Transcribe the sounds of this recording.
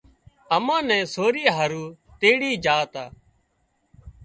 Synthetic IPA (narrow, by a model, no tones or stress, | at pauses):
əmãːnɛ̃ːsoːɾiːɦəːɾuːt̪eːɽiːd͡ʒaːt̪aː